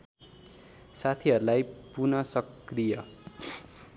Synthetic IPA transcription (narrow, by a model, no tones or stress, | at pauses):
sat̪ʰiɦʌɾulajpunʌsʌkrijʌ